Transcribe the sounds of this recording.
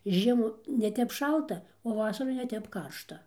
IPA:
ɪr ˈʒʲiɛmuː nʲɛˈtʲɛp ˈʃɐlˠtɐ oː ˈʋɑːsɐruː nʲɛˈtʲɛp ˈkɐrʃtɐ

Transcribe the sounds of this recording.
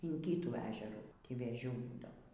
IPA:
ɪn ˈkʲiːtuː ˈæːʒʲɛruː ˈtʲiː ʋʲeːˈʒʲuː ˈbuːdɐʋoː

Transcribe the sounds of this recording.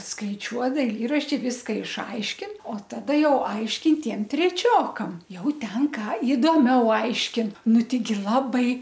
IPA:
skɐɪˈt͡ʃʲuɔ dɐɪˈlʲiːrɐʃʲtʲɪ ˈʋʲɪskɐ ɪʃˈɐɪʃʲkʲɪn oː tɐˈdɐ ˈjɛʊ ˈɐɪʃʲkʲɪn ˈtʲiɛm tʲrʲɛˈt͡ʃʲoːkɐm ˈjɛʊ ˈtʲɛn ˈkɑː ɪdoːˈmʲɛʊ ˈɐɪʃʲkʲɪn ˈnʊ ˈtʲɛɪɡʲɪ ˈlˠɑːbɐɪ

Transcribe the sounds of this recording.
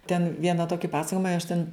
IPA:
tʲɛn ˈʋʲiɛnɐ ˈtoːkʲɪ ˈpɑːsɐkoːjɪmɐ ɪ ɐʃ tʲɛn

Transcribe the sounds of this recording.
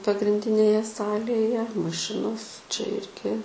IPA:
pɐɡrʲɪnʲˈdʲɪnʲeːjɛ ˈsɑːlʲeːjɛ mɐˈʃʲɪnoːs t͡ʃʲɛ ˈɪrʲɡʲɪ

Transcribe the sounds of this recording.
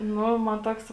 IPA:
ˈnʊ mɐn ˈtoːks

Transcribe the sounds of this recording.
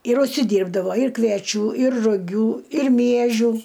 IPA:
ɪr ʊʃʲsʲɪˈdʲiːrbdɐʋoː ɪr kʋʲiɛˈt͡ʃʲuː ɪr rʊˈɡʲuː ɪr ˈmʲiɛʒʲuː

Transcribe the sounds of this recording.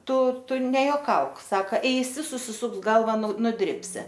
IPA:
ˈtʊ ˈtʊ nʲɛjoːˈkɐʊk ˈsɑːkɐ ˈɛɪsʲɪ sʊsʲɪˈsʊks ˈɡɐlˠʋɐ nʊ nʊˈdʲrʲɪpʲsʲɪ

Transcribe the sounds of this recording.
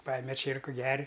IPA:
ˈpɑːjɛmʲɛ ˈt͡ʃʲiɛrkʊ ˈɡʲɛrʲ

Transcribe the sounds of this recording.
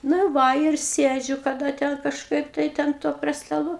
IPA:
ˈnɐ ɪr ˈʋɐ ɪr ˈsʲeːd͡ʒʲʊ kɐˈdɐ ˈtʲɛn kɐʃˈkɐɪp tɐɪ ˈtʲɛn toː pʲrʲiɛ stɐˈlˠuː

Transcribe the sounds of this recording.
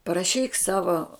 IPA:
pɐrɐˈʃʲiːk ˈsɑːʋoː

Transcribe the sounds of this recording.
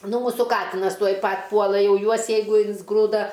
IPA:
ˈnʊ ˈmuːsuː ˈkɑːtʲɪnɐs ˈtuɔj ˈpɐtʲ ˈpuɔlˠɐ ˈjɛʊ ˈjuɔs jɛɪˈɡʊ ɪnzˈɡruːdɐ

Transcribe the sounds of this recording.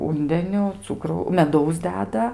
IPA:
ˈuːnʲdʲɛnʲʊ ˈt͡sʊkrɐʊ mʲɛˈdɐʊs ˈdʲæːdɐ

